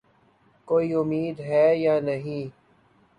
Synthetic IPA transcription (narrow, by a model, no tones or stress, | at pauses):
koːiːʊmiːd̪ɦɛːjaːnɐɦĩː